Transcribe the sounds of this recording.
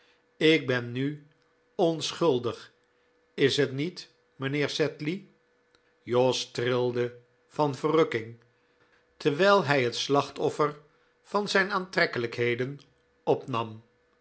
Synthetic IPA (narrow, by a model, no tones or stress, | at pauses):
ɪɡ̚bɛnːy | ɔnsχɵlˠdəχ | ɪsɦətnit | mənɪːɹsɛtli | jɔstrɪlˠdə | v̥ɑnvərɵkɪŋ | təɹʋɛjlˠɦɛjɦətslɑχtɔfər | v̥ɑnzɛjnaːntrɛkələkɦejdən | ɔpnɑm